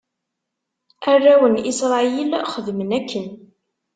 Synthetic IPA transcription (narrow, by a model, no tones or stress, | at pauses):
ærːæwənisɾˤɑilχəðmənækːən